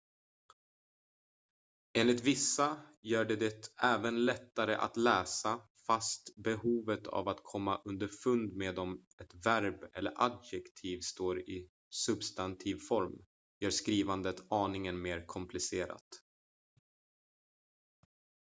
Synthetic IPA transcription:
eːnlɪt̪vɪsːajœːɖɛd̪ɛt̪ɛːvənlɛt̪ːaɾəʔa̰t̪lɛːsa | fast̪bɛhuːvət̪ʰa̰vat̪kʰɔmːaʔɵnd̪əɾfɵnd̪meːd̪ɔm | ɛt̪væɾbɛlːə̰ɾʔad̪jɛkt̪ʰiːvst̪oːɾɪ | sɵbst̪ant̪ʰiːvfɔɾm | jœːʂkɾiːvand̪ət̪ɑːnɪŋənmeːɾkʰɔmpʰlɪseːɾa̰t̪

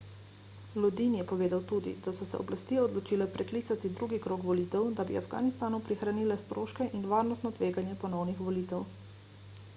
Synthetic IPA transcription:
lɔd̪injɛpɔʋeːd̪awt̪uːd̪ḭd̪asɔsɛ̰ɔ̰blast̪iːɛɔd̪lɔt͡ʃiːlɛpɾɛkliːt̪sat̪id̪ɾuːɡikɾokʋɔliːt̪ɛwd̪abḭa̰fɡa̰ːnist̪aːnupɾixɾaniːlɛst̪ɾoːʃkɛʔinʋaːɾnɔst̪nɔt̪ʋeːɡanjɛpɔnɔwnixʋɔliːt̪ɛw

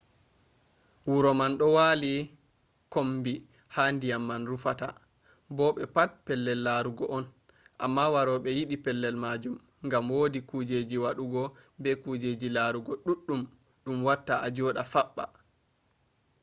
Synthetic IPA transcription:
wuɾɔmanɗɔwaːli | kombi | handijamːanɾufata̰ | bɔɓɛpat̚pɛlːɛlːaɾuɡɔʔɔn | ʔamːawaɾɔɓɛjiɗipɛlːɛlmad͡ʒum | ŋɡamwodikud͡ʒed͡ʒiwaɗuɡɔbɛkud͡ʒed͡ʒilaɾuɡɔɗuɗːum | ɗumwatːaad͡ʒɔːɗafaɓːa̰

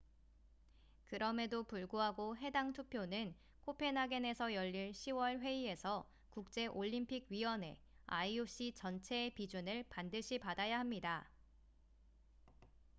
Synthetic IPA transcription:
kɯɾʌme̞dopuɭɡoɦaɡoɦe̞daŋtʰupʰjonɯn | kʰopʰe̞naɡene̞sʰʌjʌʎːiɭɕʰiwʌɭɸwe̞ie̞sʰʌ | kuk̚t͡ɕ͈e̞ʔoʎːimpʰiɡ̚ɥiwʌne̞̰ | a̰ioɕ͈it͡ɕʌnt͡ɕʰe̞ːpid͡ʑunɯɭpandɯɕʰipadajaɦamɲida

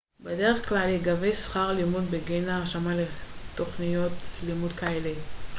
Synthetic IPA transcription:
bedeʁeχklaleɡavejsχaʁlimud̪beɡenaːʃamaletːo̞χnijo̞t̪limud̪kaelej

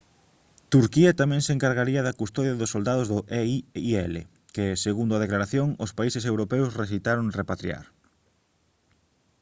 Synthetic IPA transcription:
t̪uɾkiɐt̪amẽŋseŋkaɾɣaɾiɐðɐkust̪ɔðjɐðʊsːold̪aðʊzðʊʔɛɛlḛ | keseɣund̪ʊaðeklaɾaθjoŋʊspaisɪsewɾopewsresit̪aɾoŋrepat̪ɾḭa̰ɾ

